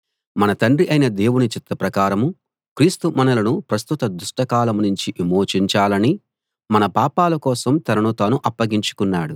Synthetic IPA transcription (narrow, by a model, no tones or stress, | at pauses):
mɐnɐt̪ɐɳɖriʔɐjnɐd̪e̞ːwunit͡ʃit̪ːɐpɾɐkaːɾɐmu | kɾiːst̪umɐnɐlɐnupɾɐst̪ut̪ɐd̪uʂʈɐkaːlɐmnuɲt͡ʃiʔimoːt͡ʃiɲt͡ʃaːlɐni | mɐnɐpaːpaːlɐkɔːsɐmt̪ɐɾɐɳut̪aːnuʔɐpːɐɡiɲt͡ʃu̥kunːaːɽu